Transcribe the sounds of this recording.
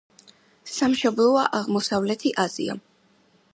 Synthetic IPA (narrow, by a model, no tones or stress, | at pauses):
samʃɔblˠɔaʔaʁmɔsavlɛt̪ʰiʔaz̥ḭa̰